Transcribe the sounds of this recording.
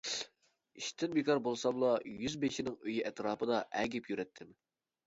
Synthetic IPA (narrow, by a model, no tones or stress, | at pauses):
iʃt̪ʰɪnbekʰɑɾbolˠsɑmlˠɑjyzbeʃinɪŋøjiʔɛt̪ɾɑːpɨd̪ɑʔɛɡʲɛpʰjyɾɛt̪ʰːɪm